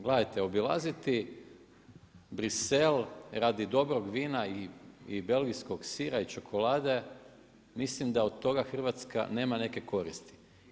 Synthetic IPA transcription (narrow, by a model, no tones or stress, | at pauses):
ɡlad̪ajt̪e̞o̞bilˠa̰zit̪i | bɾise̞lɾad̪id̪o̞bɾoɡʋiːnaiibe̞lɡisko̞ɡsiːɾait͡ʃokʰo̞laːd̪e̞ | mislimd̪aod̪̚t̪ːo̞ɡaxr̩ʋat̪ska̰ne̞ːmane̞ke̞ko̞ɾist̪i̥